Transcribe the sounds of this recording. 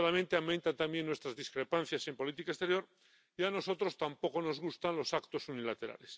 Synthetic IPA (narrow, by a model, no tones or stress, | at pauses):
olamẽ̞nt̪e̞ament̪ant̪ambje̞nːwe̞st̪ɾazðiskɾe̞panθjase̞mpo̞lit̪ikae̞st̪ejo̞ɾ | iano̞so̞t̪ɾo̞st̪ampo̞ko̞no̞zɣ̞ust̪anlo̞sakt̪o̞sunilat̪e̞ɾa̰le̞s